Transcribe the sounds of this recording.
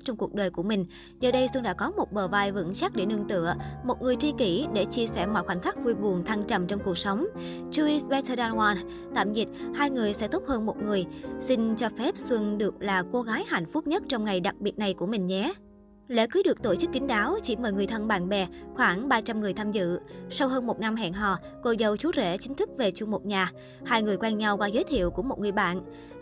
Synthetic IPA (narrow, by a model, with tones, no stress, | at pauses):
t͡ɕɔ˧wŋ͡mku˨˩ək̚ɗəː˨˩jku˧˩əmï˨˩ŋ̟ | zəː˨˩ɗə˧jswɨ˧ŋɗa̰ː˧˥kɔ˨˦mo˨˩t̚ɓəː˨˩vaː˧jvɨ̰˧˥ŋsa˦˥k̚ɗe˧˩nɨ˧əŋt̪ɨ̰˧˨əmo˨˩t̚ŋɨ˨˩əjt͡ɕi˧ki˧˩ɗe˧˩t͡ɕi˧əsɛ̰˧˩mɔ̰˧˨jxwaː˧˩ŋ̟xa˦˥k̟̚vu˧jɓu˨˩əŋt̪ʰaː˧ŋt͡ɕa˧˩mt͡ɕɔ˧wŋ͡mku˨˩ək̚sə˨˦wŋ͡m | t͡ɕu˧i˧sɓɛ˧˦˥t̪ʰə˧ɗa˧nwaː˧n | t̪a̰ː˧˨mzi˨˩t̚haː˧jŋɨ˨˩əjsɛ̰˧˥t̪o˦˥p̚həː˧nmo˨˩t̚ŋɨ˨˩əjsï˧ŋ̟t͡ɕɔ˧fɛ˦˥p̚swə˧nɗɨ˨˩ək̚laː˨˩ko˨˧ɣaː˨˦jha̰˧˩jŋ̟fʊ˦˥p̚ɲə˦˥t̚t͡ɕɔ˧wŋ͡mŋa˨˩jɗa˨˩k̚ɓi˨˩ət̚na˨˩jku˧˩əmï˨˩ŋ̟ɲɛ˨˦ | lɛ̰˧˥kɨː˨˦ɗɨ˨˩ək̚t̪o˧˩t͡ɕɨ˦˥kːï˨˦ŋ̟ɗaː˨˦wt͡ɕi˧˩məː˧˩jŋɨ˨˩əjt̪ʰə˧nɓa̰ː˧˨nɓɛ˨˩xwaː˧˩ŋɓaː˧t͡ɕa˧mŋɨ˨˩əjt̪ʰaː˧mzɨ̰˧˨sa˧wɦəː˧nmo˨˩t̚na˧mɦɛ̰˧˨nɦɔ̰˧˨ | ko˧zə˨˩wt͡ɕu˨˦zḛ˧˩t͡ɕï˨˦ŋ̟t̪ʰɨ˦˥k̚ve˨˩t͡ɕu˧ŋ͡mmo˨˩k͡p̚ɲaː˨˩ | haː˧jŋɨ˨˩əjkwɛː˧nɲa˧wkwaː˧zəː˨˦jt̪ʰḭ˧˨əwku˧˩əmo˨˩t̚ŋɨ˨˩əjɓa̰ː˧˨n